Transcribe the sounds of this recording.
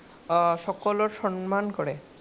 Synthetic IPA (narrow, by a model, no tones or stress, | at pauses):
ʃɔkoloɾʃɔnmankoɾe